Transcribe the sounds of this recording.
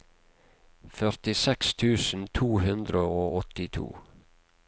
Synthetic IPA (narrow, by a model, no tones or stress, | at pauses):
fœɾt̪ɪsɛkst̪ʰʉːsn̩t̪ʰuːhʉnd̪ɾəoːʔɔt̪ɪt̪ʰṵː